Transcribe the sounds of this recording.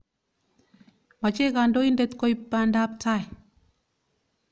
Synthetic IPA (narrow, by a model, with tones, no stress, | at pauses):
ma˨t͡ʃe˦ka˨ndo˦i˦ndɛ˨t̪ko˦ipːa˨nda˦pta˦j